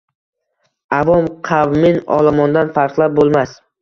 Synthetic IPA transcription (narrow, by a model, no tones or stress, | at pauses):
avɒmqʰavmɪnɒ̰lˠamɒnd̪anfaɾqlˠap̚bolˠmas